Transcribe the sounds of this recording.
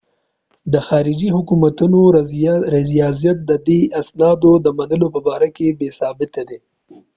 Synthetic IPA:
d̪əxɑːɾɪd͡ʒiɦʊkumat̪unoɾɪzjɑzijat̪̚d̪əd̪easnɑd̪od̪əmanəlopəbɑɾakebesɑbɪt̪ad̪e

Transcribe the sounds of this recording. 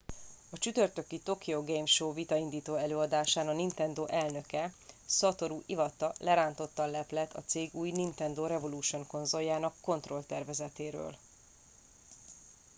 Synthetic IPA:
ɒt͡ʃyt̪ørt̪ø̞kit̪o̞kioɡejmʃoːvit̪ɒind̪iːt̪oːɛløːɒd̪aːʃaːnɒnint̪ɛnd̪oːʔɛlnø̞kɛsɒt̪o̞ɾuʔivɒt̪ːɒlɛɾaːnt̪o̞t̪ːɒnlɛplɛt̪ʰːɒ̰t̪seːɡuːjnint̪ɛnd̪oːɾɛvo̞luːʃo̞ŋko̞nzo̞jːaːnɒkːo̞nt̪ro̞lt̪ɛrvɛzɛt̪eːɾø̰ːl

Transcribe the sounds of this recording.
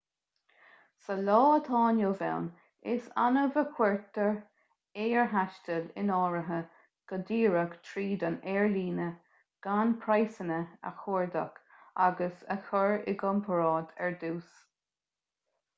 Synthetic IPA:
səlɔːət̪ʰɑːnjoːvɛ̰wn | ɪsa̰nəvəkʰwɛɹt̪əɹ | eːɹɦaʃtəlɪ̰nɔːɹəɦə | ɡ̥əd̪iːɹəkt̪ʰɹiːd̪ənɛːɹliːnə | ɡ̥anpʰɹajsənəə̰xoɹdə̰k | aɡəsə̰xəɹɪɡɔmpʰəɹɑːd̪ɛɹd̪uːs

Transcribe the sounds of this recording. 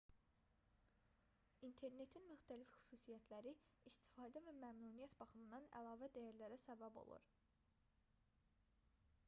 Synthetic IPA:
int̪ʰe̞ɾne̞t̪ʰinmyxt̪ʰælifxy̥suːsijæt̪ʰlæɾiist̪ʰi̥fɑːd̪ævæmæmnuːnijæt̪bɑχɯmɯnd̪ɑnæ̰lˠɑːvæd̪æjæɾlæɾæsæbæbo̞̰lˠṵɾ

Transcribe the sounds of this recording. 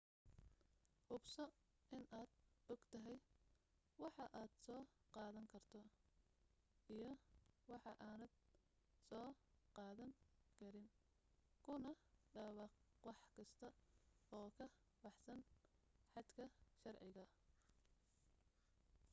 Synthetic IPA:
ʔʊbsɔ | ʔɪnʔaːd̪̥ɔɡ̥t̪ʰɐɦɛj | wɑħɑʔaːd̪̥sɔːqɑːðɐŋkʰɐrt̪ʰɔ | ʔijɞwɑħɑʔaːnɐd̪ | sɔːqɑːðɐŋkʰɐɾɪn | kʰʊnɐɖɐːwɑq | wɑħkʰɐst̪ʰɐɔːkʰɐ | bɑħsɐn | ħɑd̪kʰɐʃɐrʕɪ̰ɣɐ

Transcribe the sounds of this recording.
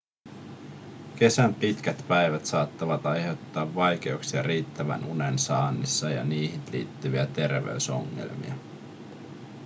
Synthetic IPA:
ke̞sæmpit̪kæt̪pæjʋæt̪sɑːt̪ːɑʋɑt̪ɑjɦe̞wt̪ːɑːʋːɑjk̟e̞uksiɑriːt̪ːæʋæ̰nʔune̞nsɑːnːisːɑjɑ̰niːɦit̪lḭːt̪ːyʋiæt̪e̞rʋḛyso̰ŋːḛlmḭɑ

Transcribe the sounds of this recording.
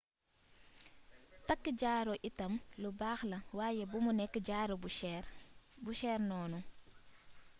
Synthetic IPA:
tɐkːəɟaːɾoʔitɐmlubaːxlɐwaːjɛbumunɛkːəɟaːɾo | buʃɛːɾnɔːnu

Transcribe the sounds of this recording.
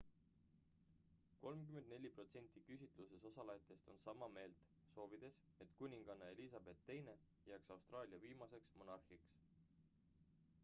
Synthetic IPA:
ko̞lmkyme̞nd̪ne̞lʲːipro̞t̪se̞nʲt̪ːˑikysʲit̪ˑluse̞so̞sɑlɑjɑt̪ːˑe̞st̪o̞nsɑmɑme̞ːlt̪ | so̞ːvid̪̥e̞s | e̞t̪kunʲiŋɡ̥ɑnːɑelisɑb̥e̞t̪ːe̞jne̞ | jæːksɑwst̪rɑːlʲiɑviːmɑse̞ksmo̞nɑrhiks

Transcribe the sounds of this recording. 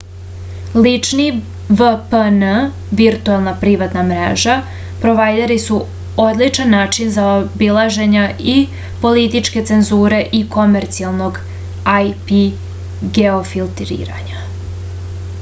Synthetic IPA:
lit͡ʃni | ʋəpənə | ʋiɾt̪ualˠnapɾiʋat̪namɾḛʒa | pɾo̞ʋajd̪eɾisu | od̪lit͡ʃanːaːt͡ʃinzaobilˠaʒe̞ɲai | po̞lit̪it͡ʃke̞t̪se̞nzuːɾe̞ʔiko̞meɾt̪sialˠno̞ɡ | ajpi | ɡeo̞filˠt̪ɾḭːɾa̰ɲa

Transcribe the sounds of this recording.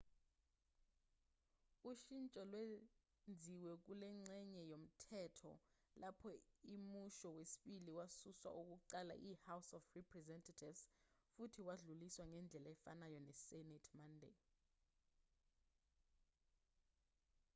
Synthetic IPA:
uʃint͡ʃʼɔlwe | nd͡zʱiwɛk̬ulɛŋ͡ǀɛɲɛjom̩tʰɛtʰɔ̰ | lapʰɔimuʃɔwesi̥ɓiliwasuswa̰ʔuk̬uǃala̰ʔihawsɔfrɛpʰrɛzɛntʰatʰivsfutʰiwaɮuliswaŋɛnd͡ɮʱɛlaɛfanajɔnɛsɛnɛtʰmandʱḛ

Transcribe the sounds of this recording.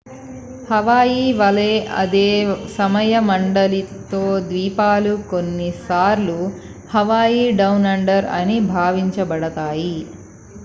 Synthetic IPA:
hɐʋaːjiʋɐleːʔɐ̰d̪eːsɐmɐjɐmɐɳɖɐlit̪oːd̪ʋiːpaːlukonːisaːɾlu | hɐʋaːjiːɖɐwnɐɳɖɐɾɐ̰nibʱaːʋiɲt͡ʃɐbɐɽɐt̪aːji

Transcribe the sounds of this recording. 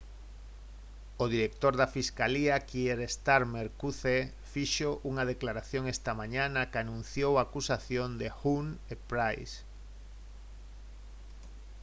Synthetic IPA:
oðiɾekt̪oɾðafiskaliakieɾest̪aɾmeɾkuθe | fiʃoʔuŋaðeklaɾaθjoŋest̪amãɲanakanũnθjowakusaθjond̪exunepɾajs

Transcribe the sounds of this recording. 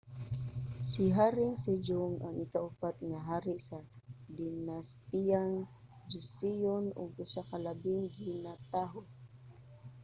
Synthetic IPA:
sɪɦaɾɪŋsɛd͡ʒʊŋaŋɪkaʔʊpat̪̚ŋaɦaːɾɪʔsad̪ɪnast̪ijaŋ | d͡ʒɪsijonʊ̰ɡʊsakalabɪŋɡɪnat̪aɦo

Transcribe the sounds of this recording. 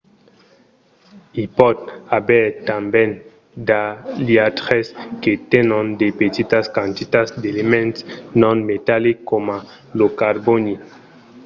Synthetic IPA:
ipɔd̪̚abɛt̪ãmbɛ̃n | daliat̪ʁɛsket̪ɛnɔ̃nd̪epet̪it̪askãnt̪it̪asd̪elemɛ̃ntsnɔ̃nmetalikːoma | lokaɾboni

